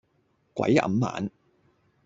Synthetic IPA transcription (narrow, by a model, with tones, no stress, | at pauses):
kʷwɐ̰˨˥jɐ̰˨˧mːa̰ː˨˥n